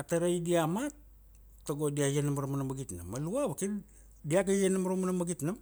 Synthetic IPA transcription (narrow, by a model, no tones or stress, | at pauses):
ataɾajdiamat | tːoɡodiajenamaɾomanamaɡitna̰mːaluaβakin | diakajenamaɾomanamaɡitnam